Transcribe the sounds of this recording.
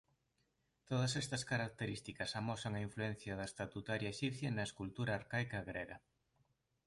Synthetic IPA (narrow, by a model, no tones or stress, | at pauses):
t̪oð̞ɐsɛst̪ɐskaɾak̚t̪eɾist̪ikɐsamɔsɐŋɐiɱfluɛn̟θjɐðɐest̪at̪ut̪aɾjɐeʃipθjɐnɐeskult̪uɾaːɾkajkɐɣɾɛɣɐ